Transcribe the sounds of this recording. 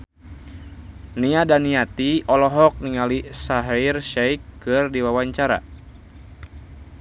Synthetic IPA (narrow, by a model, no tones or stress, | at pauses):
niadaniat̪iɔlɔɦɔk̚niŋalisaɦairʃɛjkːɨrdiwawaɲt͡ʃaɾa̰